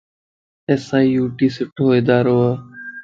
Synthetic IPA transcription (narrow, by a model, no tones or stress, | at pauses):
esaːiːjuːʈiːsʊʈɦoːeːd̪aːɾoːaː